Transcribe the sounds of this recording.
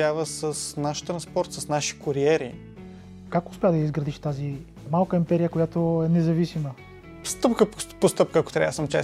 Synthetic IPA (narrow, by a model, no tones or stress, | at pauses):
avəsəsnaʃt̪ɾɐ̃nspɔɾt̪səsnaʃi̥koɾiɛɾḭ | kakʊspʲɛad̪ɐjəizɡɾɐd̪iʃt̪azi | malˠkəimpɛɾijəkojat̪oɛnɛzɐvisimə | st̪ɤpkəpopost̪ɤp̚kəɐko̥t̪ɾʲa̰səmt͡ʃɛ̰